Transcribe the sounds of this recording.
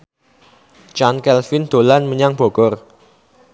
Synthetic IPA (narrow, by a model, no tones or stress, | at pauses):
t͡ʃankɛlfɪnd̪̥o̤lanməɲaŋb̥oɡ̥ɔr